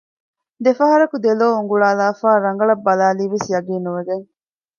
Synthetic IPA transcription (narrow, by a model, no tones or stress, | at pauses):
d̪efɐɦɐɾɐkud̪eloːuŋɡuɭaːlaːfaːɾɐŋɡɐɭɐbːɐlaːliːʋesjɐɡiːnuʋeɡeŋ